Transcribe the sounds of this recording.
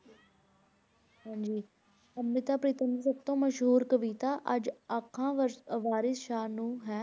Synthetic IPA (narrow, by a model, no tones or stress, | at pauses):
ɦãːɲd͡ʒiː | əmːɪt̪aːpɾiːt̪əniːsəb̚t̪õːməʃɦuːɾkəʋiːt̪aːʔəd͡ʒəkʰːãːʋaːɾɪsʃaːnũːɦɛː